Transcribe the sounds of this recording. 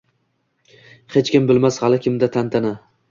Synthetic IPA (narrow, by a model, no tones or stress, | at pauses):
het͡ʃkʲɪmbɪlmashalɪkʲʰɪmd̪at̪ʰant̪ʰana